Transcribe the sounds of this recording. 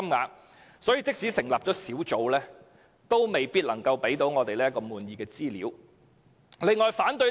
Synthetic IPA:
mŋa̰ː˨˥k̚ | sɔː˨˥jiː˨˧t͡sɪ˥k̚siː˨˥sɪ˨˩ŋlaː˨p̚t͡ʃɔː˨˥siː˨˥wt͡ʃo˨˧wlɛː˥ | t̪o˥wme˨jpi˥t̚lɐ˨˩ŋkɐ˧wpe˨˥jt̪o˨˥wŋɔː˨˧t̪e˨jlɛː˥jkɔː˧muː˨˧njiː˨˧kɛː˧t͡siː˥lḭː˨˥w | lɪ˨˧ŋɔː˨jfaː˨˥nt̪ɵ˧

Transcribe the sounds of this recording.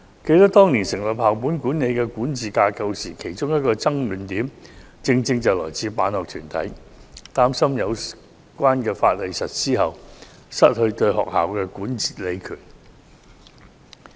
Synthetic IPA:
ke˧jt̪ɐ˥k̚t̪ɔː˥ŋniː˨˩nsɪ˨˩ŋlɐ˨˩p̚haː˨˩wpuː˨˥nkuː˨˥ne˨˧jkɛː˧kuː˨˥nt͡siː˨kaː˧kɐ˧wsiː˨˩kʰe˨˩jt͡sʊ˥ŋjɐ˥t̚kɔː˧t͡sɐ˥ŋlyː˨˩nt̪iː˨˥m | t͡sɪ˧ŋt͡sɪ˧ŋt͡sɐ˨wlɔ̰ː˨˩jt͡sʰiː˨˧paː˨˥nhɔː˨k̚t̪ʰyː˨˩nt̪ʰɐ̰˨˥j | t̪aː˥msɐ˥mjɐ˨˧w | kʷaː˥nkɛː˧faː˧t̚lɐ˨˧jsɐ˨t̚siː˥ɦɐ˨w | sɐ˥t̚hɵ˧ɥt̪ɵ˧ɥɦɔ̰ː˨k̚ha̰ː˨wkɛː˧kuː˨˥nt͡si̥ː˨˩le˨˧jkʰyː˨˩n

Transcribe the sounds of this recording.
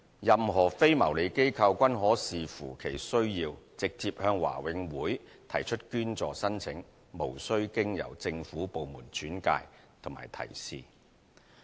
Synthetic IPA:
jɐ˨mɦɔː˨˩fe˥jmɐ̰˨˩wle˨˧jke˥jkʰɐ˧wkʷɐ˥nɦɔː˨˥siː˨fuː˨˩kʰe˨˩jsɵ˥ɥjiː˧wt͡sɪ˨k̚t͡siː˧p̚hœː˧ŋwa̰ː˨˩wɪ˨˧ŋwuː˨˥jt̪ʰɐ˨˩jt͡ʃʰɵ˥t̚kyː˥nt͡sɔː˨sɐ˥nt͡sʰɪ˨˥ŋ | mo˨˩wsɵ˥ɥkɪ˥ŋjɐ̰˨˩wt͡sɪ˧ŋfuː˨˥po˨wmuː˨˩nt͡ʃyː˨˥nka̰ː˧jt̪ʰʊ˨˩ŋmaː˨˩jt̪ʰɐ̰˨˩jsḭː˨

